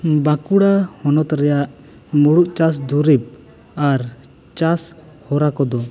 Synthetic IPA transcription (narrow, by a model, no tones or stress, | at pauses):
bãkuɽahɔnɔt̪ɾɛjaʔ | muɽuʔt͡ʃasd̪uɾip̚ | aɾ | t͡ʃas | hɔɾakɔd̪ɔ